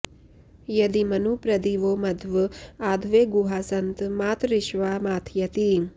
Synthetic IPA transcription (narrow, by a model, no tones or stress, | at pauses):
jɐd̪imɐnupɾɐd̪iːʋoːmɐd̪ʱʋɨaːd̪ʱʋeːɡuɦaːsɐnt̪maːt̪ɾiʃʋaːmaːt̪ʰjɐt̪i